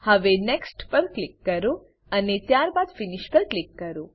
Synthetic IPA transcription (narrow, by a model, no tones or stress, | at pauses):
həʋenɛksʈpəɾklɪkːəɾo | ənet̪jaɾbad̪finiʃpəɾklɪkːəɾo